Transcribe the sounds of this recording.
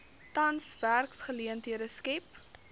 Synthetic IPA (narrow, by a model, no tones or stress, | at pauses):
tɐnsværksχəliəntɦiəɾəskɛp